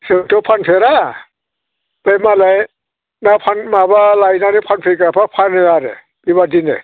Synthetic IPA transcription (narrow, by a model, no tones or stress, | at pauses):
sɯtɯpʰanpʰeɾa | pajmalaj | napʰanmabalajnanipʰanpʰikapʰapʰanɯaɾḛ | bibadinḛ